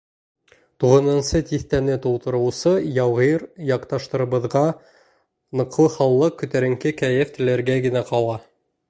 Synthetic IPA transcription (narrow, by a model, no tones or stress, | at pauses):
t̪uʁɤ̆nɤ̆nsɤt̪iθt̪ænɘt̪ulˠt̪ɤ̆ɾɤ̆wsɤjɑwʁiɾjɑqt̪ɑʃt̪ɤ̆ɾɤ̆βɤ̆ðʁɑ | nɤ̆q̪ːˠɤχɑwlˠɤq̚kːɵ̆t̪æɾɘ̆ŋkɘkæjɘft̪ɘ̆læɾɡæɡɘ̆næqɑlˠɑ